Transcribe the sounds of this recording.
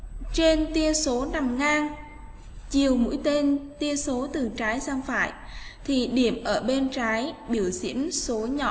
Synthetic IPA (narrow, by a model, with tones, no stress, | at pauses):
t͡ɕe˧nt̪i˧əso˨˦na˨˩mŋaː˧ŋ | t͡ɕi˨˩əwmṵ˧˥jt̪e˧nt̪i˧əso˨˦t̪ɨ˨˩t͡ɕaː˨˦jsaː˧ŋfa̰ː˧˨j | t̪ʰi˨˩ɗi˧˩əmʔəː˧˩ɓe˧nt͡ɕaː˨˦jɓi˧˩əwzḭ˧˥ənso˨˦ɲɔ̰˧˨